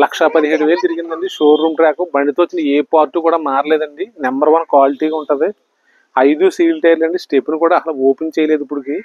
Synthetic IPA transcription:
lɐkʂɐpɐd̪iɦeːɽuʋe̞ːlud͡ʒ̪ɐɾiɡind̪ɐɳɖiʂoːɾːuːmʈɾaːkubɐɳɖit̪oːt͡ʃːinɐeːpaːɾʈːukuːɽaːmaːɾɐlɛːd̪ɐɳɖinɐmbɐɾʋɐnkʋaːliʈiːɡaːuɳʈɐːd̪i | ɐjd̪usiːlʈɐːɾlɐɳɖisʈepːnukuːɽaːɐlɐoːpent͡ʃɛːjɐleːd̪upːuɽiki

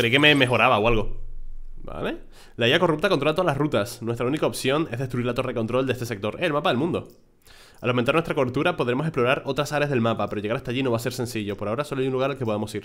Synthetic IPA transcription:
kɾekeme̞me̞xo̞ɾaβawalɣ̞o̞ | ba̰le | laejakorup̚t̪akont̪ɾoat̪oalasrut̪asnwe̞st̪ɾaunikaopsjo̞ŋezðet̪ɾuiɾlat̪o̞raeðekont̪ɾo̞ld̪e̞st̪ese̞k̚t̪o̞ɾʔeselmapaðe̞lmũnd̪o̞ | alawmnt̪aɾnwest̪ɾakoeɾt̪uɾapo̞ðɾe̞mo̞s̬eplo̞ɾaɾo̞t̪ɾasaɾeazðe̞lmapape̞ɾoʝe̞ɣaɾast̪aʝino̞βaseɾse̞nsiʝo̞po̞ɾaoɾaso̞loajunluɣaɾalkepo̞ð̞amo̞siɾ

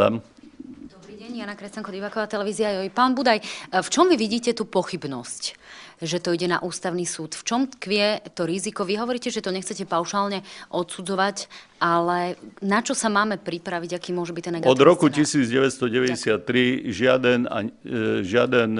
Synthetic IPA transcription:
a̰m | d̪ɔbɾiːɟɛɲjanakɾɛscaŋkɔd̪ibaːkɔʋaːt̪ɛlɛʋiːziajɔjpaːnbud̪ajft͡ʃɔmʋiʋiɟiːcɛt̪uːpɔxibnɔscʒɛt̪ɔiɟɛna̰ʔuːst̪aʊniːsuːt̪ft͡ʃɔmkʋɪɛt̪ɔɾizikɔʋiɦɔʋɔɾiːcɛʒɛt̪ɔɲɛxt͡sɛcɛpaʊʃaːlɲɛʔɔt̪sud͡zɔʋacʔalɛnat͡ʃɔsamaːmɛpɾipɾaʋiɟakiːmʊɔʒɛbict̪ɛnːɛɡɡɔd̪id̪ɾɔkucisiːd͡zɟɛʋɛt̪st̪ɔɟɛʋɛɟɛsɪat̪ːɾiʒɪad̪ɛna̰ʒɪad̪ɛn

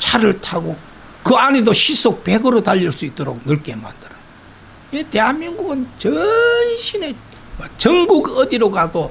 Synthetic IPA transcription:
t͡ɕʰaɾɯɭtʰaɡo | kɯanedoɕʰis͈ʰok̚pe̞ɡɯɾotaʎːiɭs͈uit͈oɾok̚nɯɭk͈e̞ma̰nd̥ɯɾɯ | te̞ɦanmiŋɡuɡɯnt͡ɕʌnɕʰine̞ | mat͡ɕʌŋɡuɡʌdiɾoɡado

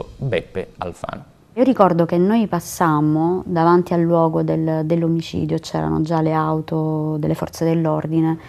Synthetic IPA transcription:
bɛpːḛa̰lfa̰n | iːoɾikɔrd̪okenːojpasːamod̪avant̪ialːwɔːɡod̪eld̪elːomit͡ʃḭːd̪jot͡ʃɛ̰ːɾa̰no̰d͡ʒaleawt̪od̪elːefɔ̰rt̪sed̪elːord̪ine

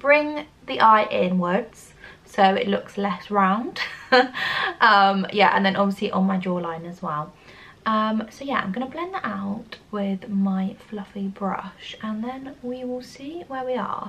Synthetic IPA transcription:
b̥ɹɪ̃ŋ | ðiʔaɪʔɪ̃nwədz̥ | soʊɪ̰ʔlʊkslɛsɹãʊ̃nd̥ | ʔʌ̃mjæʔə̰̃nðə̃nʔɒbviəsliʔə̃nmaɪdɔːlãɪ̃nəzwɛlˠ | ʔʌ̃msoʊjæã̰ɪ̃mɡʌnəblɛ̃nðətaʊtwɪðmaɪflʌfibɹʌ̰ʃə̃nðə̃nwiwɪlˠsiːwəwiə̰

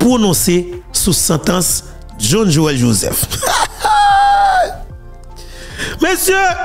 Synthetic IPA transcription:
pʁonɔ̃sesusɑ̃t̪ãs | ʒɔ̃nʒoɛlʒozɛ̰f | mesjø

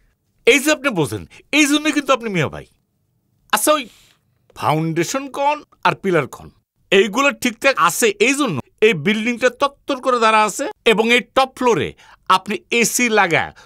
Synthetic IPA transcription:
ejd͡ʑiap̚nibod͡ʑʱḛnejd͡ʑonːojkint̪uap̬̚nimio̰bʱa̰j | asʰaoj | fʰa̰wɳɖeʃonkɔn | aɾpilaɾkʰɔ̰n | ejɡulaʈʰik̚ʈʰaa̰sʰeʔejd͡ʑonːo̰ | ejbilɖiŋʈat̪ɔt̪ːoɾkoɾed̪aɾaasʰeeboŋejʈɔpfʰloɾḛ | apniesilaɡa̰

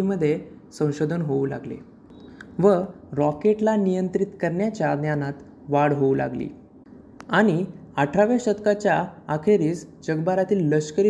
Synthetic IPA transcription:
iməd̪ʱːje | sə̃w̃ɕod̪ʱənɦoula̰ɡlḛ | ʋəɾɔkeʈlanijənt̪ɾit̪kəɾɳjat͡ɕjad̪njanat̪ | ʋaɽɦoula̰ɡlḭː | aɽ̃iəʈʰaʋjaɕət̪kat͡ɕjaːkʰeɾiːsd͡ʑəɡbaɾat̪iːlːəɕkəɾi

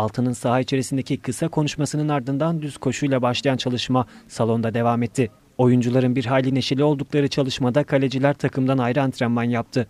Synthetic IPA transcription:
alˠt̪ʰɯnɯnsaɦait͡ʃʰe̞ɾisind̪ecikʰɯsakʰo̞nuʃmasɯnɯnaɾd̪ɯnd̪and̪yz̥kʰo̞ʃujlˠabaʃlˠajant͡ʃʰalˠɯʃmasalˠo̞nd̪ad̪e̞vamɛt̪ʰːɪ | o̞jund͡ʒulˠaɾɯnbiɾɦaːlʲine̞ʃilʲio̞lˠd̪uklˠaɾɯt͡ʃʰalˠɯʃmad̪akʰalʲe̞d͡ʒilʲæɾt̪ʰakʰɯmd̪anajɾɯant̪ʰɾamːanjap̚t̪ʰɯ

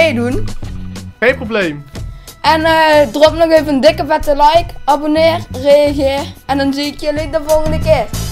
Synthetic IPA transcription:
edun | ejnproblejmʔɛnəːdərɔpnɔxeːvəəndɪkəvɛtəlɑjkɑbonɪːrrejɑɣeːrɛndɑnziɪkjəlit̚dəvɔlˠɣəndəkɪː

